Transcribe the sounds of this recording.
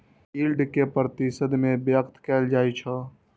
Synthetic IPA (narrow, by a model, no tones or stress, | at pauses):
iːlɖkepɾət̪isəd̪mẽbjəkt̪kɛːld͡ʒaːit͡ʃʰə